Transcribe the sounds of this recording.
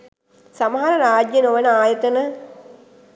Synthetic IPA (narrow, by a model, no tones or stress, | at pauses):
saməɦaɾəɾaːd͡ʒjɐnoʋənəaːjət̪ənə